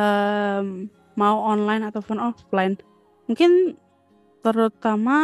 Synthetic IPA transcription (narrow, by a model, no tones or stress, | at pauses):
ə | mauɔnlajnat̪awfɔnɔflaɪn | muŋkɪn | t̪əɾut̪ama